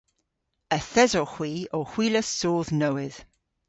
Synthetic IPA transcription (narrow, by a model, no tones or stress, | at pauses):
əθɛzɔxw̥iːoxw̥iːləsoːðnəwɪð̥